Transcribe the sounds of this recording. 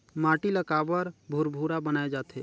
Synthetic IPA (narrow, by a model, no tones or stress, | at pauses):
maːʈiləkaːbəɾbʱuɾbʱuːɾabənaːed͡ʒaːt̪ʰeː